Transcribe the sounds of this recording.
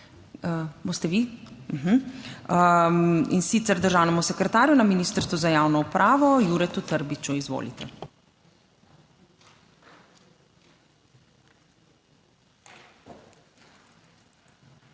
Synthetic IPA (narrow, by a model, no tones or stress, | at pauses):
əboːst̪ɛʋim̩ɦm̩ə | ḭnsit̪sɛɾd̪əɾʒaːwnɛmusɛkɾɛt̪aːɾjunaminiːst̪əɾsʋuzajaːwnɔupɾʔaːʋɔjuɾɛt̪ut̪əɾbit͡ʃuizʋo̰ːlḭt̪ɛ